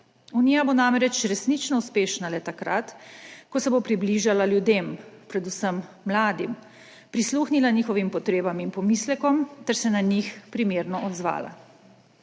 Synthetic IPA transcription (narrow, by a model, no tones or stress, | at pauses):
uniːjabonamɾɛt͡ʃɾɛsnit͡ʃnɔuspeːʃnalɛt̪akɾat̪kɔsɛbopɾibliʒalaljud̪empɾɛd̪usəmː | laːd̪im | pɾisluːxnilaniːxɔʋimpɔt̪ɾeːbaminpɔmislɛkɔmt̪ɛɾsɛnaɲixpɾimeːɾnɔʔɔd̪zʋa̰ːla̰